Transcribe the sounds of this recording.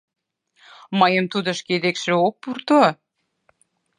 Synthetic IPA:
mɑjəmt̪ud̪ə̆ʃked̪ekʃĕok̚purt̪o

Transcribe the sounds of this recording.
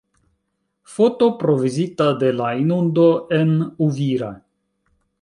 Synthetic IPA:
fo̞to̞pɾo̞vizitade̞lainundo̞e̞nuviɾa̰

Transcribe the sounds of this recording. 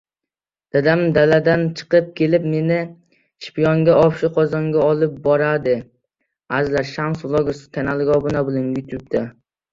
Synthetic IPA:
d̪̥ad̪amd̪alad̪ant͡ʃʰɨ̥qɨp̚kʲʰe̞lɪpme̞nɪ | ʃpijɒŋɡʲaɒpʃɪqʰɒzɒŋɡʲaɒlˠɪp̚bɒɾad̪ɪ | azlaɾʃamsʊlˠoɡask̪ʲʰanalˠɡʲɒbʊnabʊlanjʊt̪ʰup̚t̪a

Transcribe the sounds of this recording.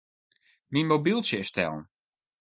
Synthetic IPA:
ninmobilˠsjəstɛ̰lˠn̩

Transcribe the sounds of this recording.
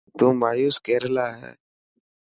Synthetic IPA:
t̪ũːmaːjuːskeːɾlaːɦɛ̰ː

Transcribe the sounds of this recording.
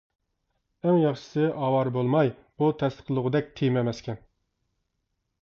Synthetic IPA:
æŋjɑχʃɪ̥sɪʔɑwɑɾbolˠmɑj | but̪ʰɛst̪ʰə̥qlˠʊʁəd̪ɛk̚ʲt̪ʰejmɛmɛskʲʰɛn

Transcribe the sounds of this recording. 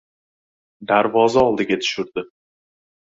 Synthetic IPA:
d̪aɾvɒzaɒlˠd̪ɪɡʲat̪ʰʊ̥ʃʊɾd̪ɪ

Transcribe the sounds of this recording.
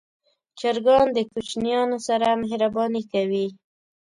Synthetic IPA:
t͡ʃaɾɡɑnd̪əkut͡ʃnijɑnosaɾamaɦɾabɑnikawi

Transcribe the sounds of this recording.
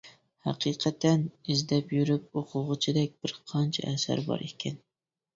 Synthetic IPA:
hæqʰiːqʰæt̪ʰːɛnɪzd̪ɛpjyɾyp̚oqʰʊʁɨt͡ʃʰɪd̪ɛk̚ʲb̥ɪɾqʰɑnt͡ʃʰɛ̰ʔɛsæ̰ɾbɑ̰ɾʔekʲʰːɛn

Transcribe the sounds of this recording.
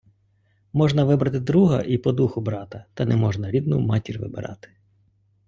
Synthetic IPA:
mɔʒnɐʋɪbɾɐt̪ɪd̪ɾuɦɐ̰ʔipɔd̪uxʊbɾɑt̪ɐt̪ɐnɛmɔʒnɐɾʲid̪nṵmɑtʲirʲʋɪ̰bɪ̰ɾʔɑ̰t̪ɪ̥

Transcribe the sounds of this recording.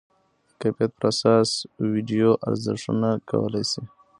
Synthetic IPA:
əkapijat̪̚pəɾasɑswiɖijoʔa̰ɾzɪ̰ʂṵnakʰa̰wə̰lajsi

